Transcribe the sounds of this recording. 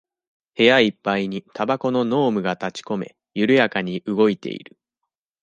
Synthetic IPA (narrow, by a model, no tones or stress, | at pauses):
he̞jaipːaiɲ̟it̪abako̞no̞no̞ːmɯ̟ɡat̪at͡ɕi̥ko̞me̞̰ | jɯ̟ɾɯ̟jakaɲ̟iʔɯ̟ɡo̞it̪e̞̰ḭɾɯ̟